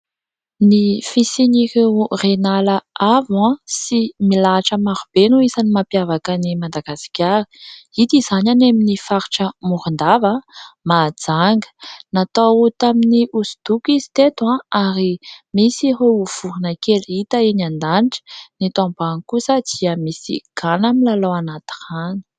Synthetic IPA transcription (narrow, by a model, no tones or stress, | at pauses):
nifisinikerenalaavãsimilaʈ͡ʂəmaɾub̥enuisanimapjavakənimad̪aɡasi̥kʲaɾi̥it̪iz̥ananaminifaɾiʈ͡ʂəmuɾund̪avəmad͡zaŋɡə̥nat̪aut̪aminiʔuzud̪ukizi̥t̪et̪wãaɾimisiɦouv̥uɾunəkelit̪əenand̪aniʈ͡ʂə̥nit̪ambanikusəd̪̥iəmisḭɡ̥anamilalowanat̪i̥rani̥